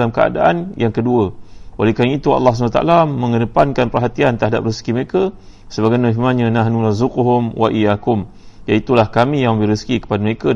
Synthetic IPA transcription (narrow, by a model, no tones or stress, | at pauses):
lamkəa̰da̰ʔanjaŋkəduəwalekamiit̪ua̰lːɑhs̬nat̪aʔa̰lamə̃ŋədəpankanpərɦat̪iant̪əɾɦada̰p̚rəskiməɾekə | səbaɡajnaɦimaɲãnãɦnũɾazukuɦʊmwa̰ʔijakʊm | jait̪ulahkamĩjaŋməbɪhɾiskikə̥padəməɾeka